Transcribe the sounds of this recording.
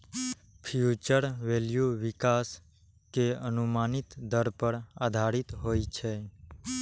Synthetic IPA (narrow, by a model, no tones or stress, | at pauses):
pʰjut͡ʃəɾʋeljuʋɪkas | keənumanit̪d̪əɾpəɽad̪ʱaɾit̪ɦojt͡ʃʰe